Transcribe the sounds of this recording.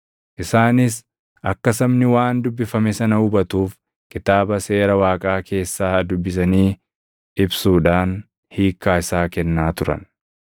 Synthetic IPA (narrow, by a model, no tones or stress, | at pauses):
ʔɪsaːnɪs | ɐkːɐsɐbnɪwaːnd̪ʊbːɪfɐmɛsɐnɐʊbɐt̪uːf | kʼɪt̪aːbɐse̞ːɾɐwaːkʼaːkʰe̞ːsːaːɐd̪ʊbːɪs̬ɐniː | ɪbsuːᶑaːn | hiːkːaːɪsaːkɛnːaːt̪ʊɾɐ̰n